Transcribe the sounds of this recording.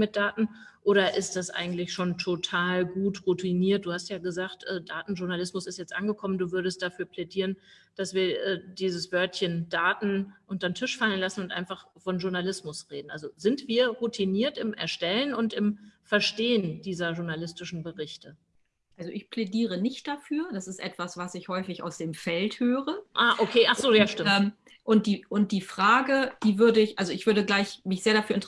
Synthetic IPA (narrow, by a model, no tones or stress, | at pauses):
mɪt̚d̥aːtn̩ʔoːɾɐʔɪst̚d̥asʔa̰ɪɡŋ̩tlɪçʃoːntʰotʰaːlɡuːtʁutʰiniːɐt̚d̥uːhastjaːɡəzaːxtʔɛːdaːtn̩ʒʊɐnalɪsmʊsɪstjɛt͡stʔa̰nɡəkʰɔmənduːvʏɐɾəst̚d̥afyːɐplɛdiːʁənd̥asv̥iːɐʔɛːd̥iːzəsv̥œɐtçəndaːtn̩ʔʊntɐntʰɪʃfalənlasn̩ʊntʔa̰ɪnfaχ | fɔnʒʊɐnalɪsmʊsʁeːdn̩ʔa̰lzozɪntv̥iːɐʁutʰiniːɐtɪmʔɛ̰ɐʃtɛlənʊntɪmfɛɐʃteːəndiːzɐʒʊɐnalɪstɪʃn̩bəʁɪçtə | ʔalzoʔɪçpʰl̥ediːʁənɪçt̚d̥afyːɐd̥asɪstʔɛtv̥asv̥asɪçhɔʏfɪça̰ʊsd̥eːmfɛlthøːʁəʔaːʔokʰeːʔaχz̥oːjaʃtɪmɛːm | ʔʊnt̚d̥iːʊnt̚d̥iːfʁ̥aːɡəd̥iːvʏɐdəɪçʔalzoɪçv̥ʏɐɾəɡlaɪçmɪçz̥eːɐɾafyːɐɪnt